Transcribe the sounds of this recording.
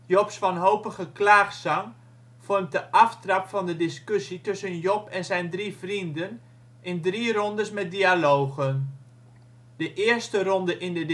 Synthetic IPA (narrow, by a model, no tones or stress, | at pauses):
jɔpsʋɑnɦowpəχəklaːχsɑŋ | fɔrmt̚dəʔɑftrɑpfɑndədɪskøsitɵsənjɔpɛnzɛjndrifrindən | ʔɪndrirɔndəsmɛt̚dialowɣən | d̥əʔɪːəɹstərɔndəʔɪndəd